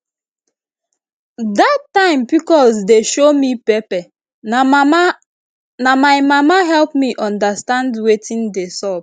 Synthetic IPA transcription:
datːãɪ̃mpikɔlsdeʃomipɛpɛ | namaɪmamaɦɛlpmiʔɔ̃ndastãndwetĩndesɔb

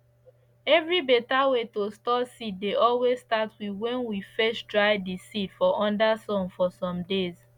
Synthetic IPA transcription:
ɛvɹibetawetostɔsit̚deʔɔlwezstatwiwɛ̃nwifɛʃdɹaɪdisitfɔʔɔ̃ndasɔ̃nfɔsɔ̃mdez

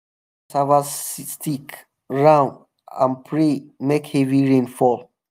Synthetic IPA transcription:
savasstik | ɹãʊ̃nd | ã̰npʰɹemekhɛviɹẽnfɔl

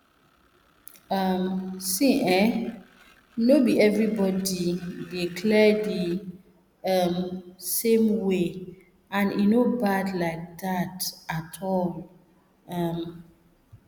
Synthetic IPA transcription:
ʌmsĩʔɛ | nobiɛvɹibɔdidikʰlɛdi | ʌmsẽmwe | ãnḭnobadlaɪk̚datatʰɔl | ʌm

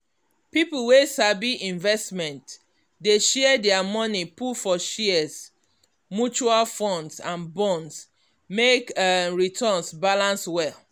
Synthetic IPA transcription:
pipulwesabiʔĩɱvɛstmɛ̃nt | deʃɛɛdɛamɔnipufɔʃiɛs | mut͡ʃualfɔ̃ndsãnbɔ̃nds | mekɹitʰɔ̃nsbalãnswɛl

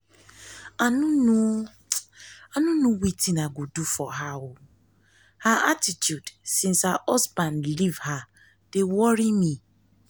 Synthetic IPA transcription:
anũnũ | anũnũwitĩnaɡodufɔɦawʊ | haʔatitʰjudsĩnshaʔɔsbãnlivha | d̥ewɔɾimĩ

